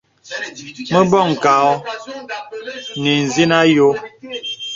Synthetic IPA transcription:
mə˦bɔ˦˨ŋ̩˨ka˨ɔ˦ | ni˨n̩˨zi˦na˦jo˦

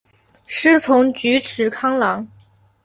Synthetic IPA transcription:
ʂɻ̩˥t͡sʰʊ˧˥ŋt͡ɕy˧˥ʈ͡ʂʰɻ̩˧˥kʰɑ˥ŋlɑ˧˥ŋ

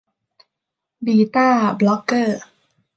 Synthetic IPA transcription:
biː˨˩t̪aː˥˩blɔ˦˥kːɤː˥˩

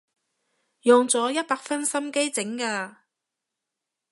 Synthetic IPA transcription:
jɔ˨ŋt͡sɔː˨˥jɐ˥t̚paː˧k̚fɐ˥nsɐ˥mke˥jt͡sɪ˨˥ŋkaː˧

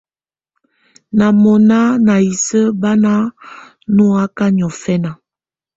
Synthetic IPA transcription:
na˨mɔ˨na˦na˨i˨sə˦ba˦na˦ | nu˦a˦ka˦ɲ˨ɔ˨fɛ˦na˨

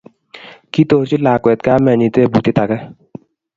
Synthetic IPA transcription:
ki˦t̪oː˨ɾt͡ʃi˦laː˨kwɛ˨t̪̚kaː˦mɛ˨ni˨t̪eː˦˨bu˨t̪i˦t̪a˨kɛ˦

